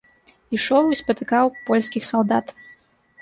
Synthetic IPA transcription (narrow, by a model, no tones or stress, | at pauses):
iʂɔwispɐt̪ɨkawpɔlʲsʲkʲixsɐlˠd̪at̪